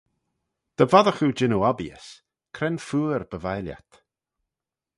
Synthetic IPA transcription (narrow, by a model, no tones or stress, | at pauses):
d̪̥əvaðəxud͡ʒɪnoabjə̰s | kʰɾɛnfuːɾb̥əvajlja̰t̪